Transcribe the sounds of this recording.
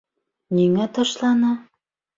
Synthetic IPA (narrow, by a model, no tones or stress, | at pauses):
niŋæt̪ɤʃlɑnɑ